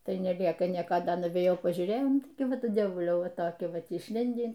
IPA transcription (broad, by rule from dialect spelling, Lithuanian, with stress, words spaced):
ˈtɐɪ nʲɛˈlʲiɛkɐˈnʲiɛkɐ ˈdɐ nʊʋʲeːjˈɛʊ pɐʒʲuːˈrʲeːjɛʊ ˈtɐɪ ˈʋɐt ˈdʲiɛʋʊlʲɛʊ ˈʋɐ toːˈkʲɪ ˈʋɐt ɪʃʲˈlʲɪnʲdʲiː